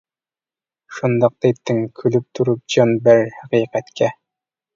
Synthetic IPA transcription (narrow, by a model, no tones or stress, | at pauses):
ʃond̪ɑq̚t̪æpt̪ːɘŋkʰɵ̆lɘp̚t̪ʰuɾɘp̚d͡ʑɑnbɘɾhæqijqæt̪kæ